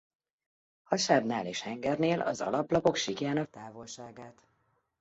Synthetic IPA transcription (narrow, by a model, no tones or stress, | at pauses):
hɒʃaːbnaːleːʃhɛŋɡɛrneːlɒ̰zɒ̰lɒplɒpo̞kʃikjaːnɒt̪aːvolʃaːɡaːt̪